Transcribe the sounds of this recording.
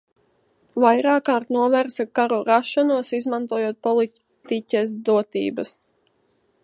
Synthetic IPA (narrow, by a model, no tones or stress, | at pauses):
vajɾaːkːaːɾt̪nuɔvæɾsakaɾuɾaʃanuɔsizmãnt̪uɔjuɔt̪̚pɔlˠi | t̪icʲɛsd̪uɔt̪ḭːbɐs